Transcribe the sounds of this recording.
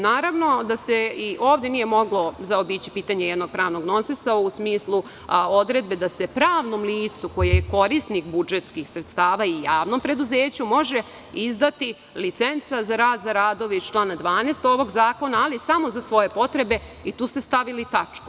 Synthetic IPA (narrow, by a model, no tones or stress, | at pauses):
naːɾaʋno̞d̪aseiʔo̞ːʋd̪je̞nije̞mo̞ɡlo̞zaobiːt͡ɕipiːt̪aɲejɛd̪no̞ɡ̥̚pɾaːʋno̞ɡno̞nsesausmiːslˠu | o̞d̪ɾe̞d̪̚be̞d̪ase̞pɾaːʋno̞mliːt̪suko̞jejeko̞ɾist̪nixbud͡ʒet̪skixsɾet̪st̪aːʋaijaːʋno̞mpɾe̞d̪uzeːt͡ɕumo̞ʒe | izd̪at̪i | lit̪sent̪sazaɾaːd̪zaɾaːd̪o̞ʋt͡ʃlˠaːnad̪ʋaːneːst̪o̞ʋo̞ɡzaːko̞naːlisamo̞zasʋo̞je̞po̞t̪ɾe̞be̞ | it̪uːst̪e̞st̪aʋilit̪at͡ʂku̥